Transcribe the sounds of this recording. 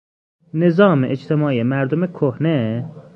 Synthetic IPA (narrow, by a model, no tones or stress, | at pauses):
nezɑːmeʔet͡ʃt̪ʰemɑːijemæɾd̪omekʰohne